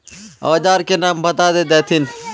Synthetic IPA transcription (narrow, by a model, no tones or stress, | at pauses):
a̰ːd͡ʒaːɾkeːnãːmbʱət̪aːd̪eːd̪eːt̪ʰin